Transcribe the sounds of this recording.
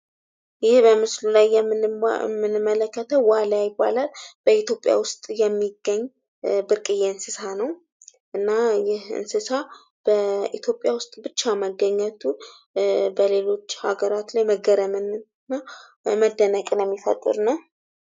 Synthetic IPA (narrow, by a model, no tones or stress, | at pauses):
jɪhbəmɨslulajːɛmːɨmːɨnɨmːələkːət̪ʰəwalajɪbːa̰lalb̥əit̪jo̞pʼja̰wʊst̪ʼjɛmːiɡːəɲː | bɨɾkʼɨjeɨnsɨsanəw | ʔɨnːajɪhɨ̰nsɨsa | b̥əit̪ʰjo̞pʼjawʊst̪ʼbɨt͡ʃːaməɡːəɲːət̪ʰu | bəle̞lo̞t͡ʃːha̰ɡəɾat̪lajməɡəɾəmɨnɨ | nːa | məd̪ːənəkʼnjɛmːifə̰t̪ʼːɨ̰ɾɨnə